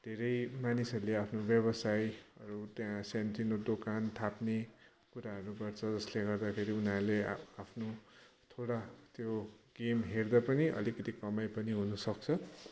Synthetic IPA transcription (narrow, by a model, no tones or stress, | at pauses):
d̪̥ʱeɾʌjmanisʌɾuleapʰnobjʌβʌsajʌɾut̪jãsant̪rinod̪okant̪ʰapne | kuɾaɦʌɾuɡʌrt͡sʰʌd͡zʌsleɡʌrd̪akʰeɾiunɦaɾleapʰno | t̪ʰoɽat̪joɡ̥emɦerd̪apʌniʔʌ̰likʌt̪ikʌmajpʌniɦunʌsʌk̚t͡sʰʌ